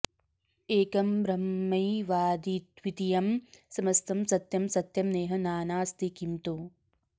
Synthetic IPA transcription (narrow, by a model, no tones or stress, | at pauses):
eːkɐmbɾɐmːɐjʋaːd̪it̪ʋit̪ijɐmsɐmɐst̪ʰɐmsɐt̪jɐmsɐt̪jɐmneːɦɐnaːnaːst̪ʰikimt̪u